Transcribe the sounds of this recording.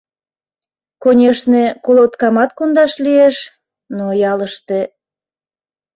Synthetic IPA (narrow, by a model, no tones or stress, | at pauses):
konʲeʃnekolot̪kɑmɑt̪̚kond̪ɑʃlieʃ | nojɑləʃt̪e